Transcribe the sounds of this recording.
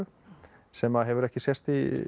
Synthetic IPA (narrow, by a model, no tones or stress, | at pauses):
ʏ | sɛmaðɦɛvʏɾɛhcɪsjɛst̪i